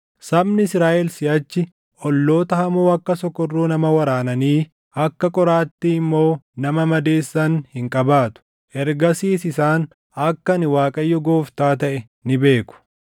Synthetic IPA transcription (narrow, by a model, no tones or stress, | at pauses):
sɐbnɪsɾaːʔɛlsɪjɐt͡ʃːɪ | ʔɔlːo̞ːt̪ɐhɐmoːɐkːɐsɔkːɔrːuːnɐmɐwɐɾaːnɐniː | ɐkːɐkʼɔɾaːt̪ːiɪmːoːnɐmɐmɐd̪eːsːɐnhɪŋkʼɐbaːt̪ʊ̥ | ʔɛɾɡɐsiːsɪsaːn | ɐkːɐnɪwaːkʼɐjːɔɡoːft̪aːt̪ɐʔɛ | nɪbe̞ːkʊ̥